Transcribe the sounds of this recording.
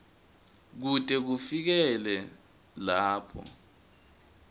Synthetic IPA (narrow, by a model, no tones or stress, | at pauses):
k̬utʼɛk̬ufik̬ɛlɛ | laːpʰɔ̰